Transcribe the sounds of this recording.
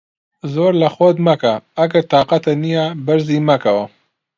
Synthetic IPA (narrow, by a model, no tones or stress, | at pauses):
zoɾlaxod̪makaːɡaɾt̪ɑqat̪anijabaɾzimakawa